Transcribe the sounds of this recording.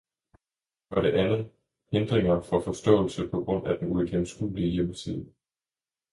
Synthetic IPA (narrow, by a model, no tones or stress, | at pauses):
ɒɾ̥e̝ʔænð̩ˠ | he̝nd̥ʁeŋɐfɒ̽fɒ̽sd̥ɔ̰̽ːl̩səpʰɒ̽ɡ̥ʁɔ̽n̰æd̥enueɡ̥ʰemsɡ̥uːliəjemsʰið̰ˠ